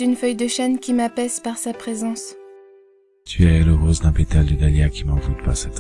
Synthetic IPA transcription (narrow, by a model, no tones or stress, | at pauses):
ynfœjd̪əʃɛnkʲimapɛzpaʁsapχezɑ̃s | t̪ʰyɛləʁozd̪ɛ̃pet̪ald̪əɡ̪aljakʲimɑ̃d̪ut̪paʁsɛt̪